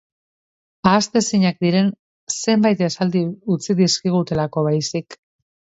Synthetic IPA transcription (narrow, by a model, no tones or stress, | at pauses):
aːst̪e̞siɲak̚d̪iɾe̞n | se̞mbajt̪esald̪iut͡siðiskiɣ̞ut̪e̞lako̞βajsik